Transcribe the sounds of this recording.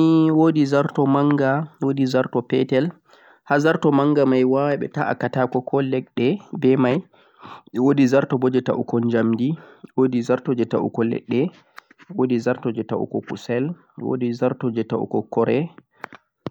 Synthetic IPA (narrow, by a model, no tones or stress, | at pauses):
iwodizaɾtɔmaŋɡawodizaɾtɔpɛ̰tɛl | hazaɾtɔmaŋɡamajwawaɓɛ̰taʔa̰katakɔkʰɔlːɛɗɛbɛmaj | wodizaɾtɔbɔd͡ʒɛta̰ʔukɔnd͡ʒamdiwodizaɾtɔd͡ʒɛtaʔṵkɔlɛ̰ɗːɛ | wodizaɾtɔd͡ʒɛtaʔṵkɔkṵsɛl | wo̰dizaɾtɔd͡ʒɛtaṵkɔkɔɾɛ